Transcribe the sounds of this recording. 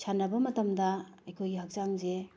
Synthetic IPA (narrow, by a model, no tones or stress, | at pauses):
t͡ʃʰanɐbɐmɐtɐmdɐɐjkʰojɡiɦɐk̚t͡ʃaŋze